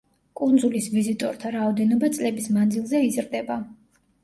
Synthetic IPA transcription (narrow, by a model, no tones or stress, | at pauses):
kʼund̪zulisvizit̪ʼɔ̰ɾt̪ʰaɾaɔd̪ɛnɔbat̪sʼlɛbismand̪zilˠzɛizɾd̪ɛba